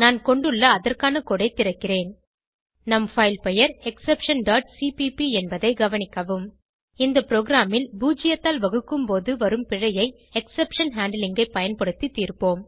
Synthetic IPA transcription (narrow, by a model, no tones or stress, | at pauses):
naːnkɔɳɖɯɭːɐːðɐrkaːnɐkoːɽɐɪt̪ːɪɾɐkːɪreːn | nɐmfɐɪlpɛjɐɾɛksɛpʂɐnɖaːʈsipipiɛnbɐðɐɪɡɐʋɐnɪkːɐʋɯm | ɪnd̪ɐpɪɾoːɡɪɾaːmɪlbuːd͡ʒɪjɐt̪ːaːlʋɐɣɯkːɯmpoːðɯʋɐɾɯmpɪɻɐjɐɪ | ɛksɛpʂɐnɦaːɳɖlɪŋɡɐɪpːɐjɐnpɐɽɯt̪ːit̪ːiːrpoːm